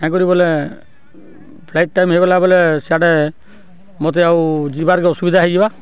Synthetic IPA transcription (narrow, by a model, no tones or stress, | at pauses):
kãk̬ɔɾibɔle | pʰlajʈ̚ʈajmɦekɔlabɔleseaɽɛ | mɔt̪̬ɛawd͡ʒibaɾkɛɔsubid̪ʱaɦeɡiba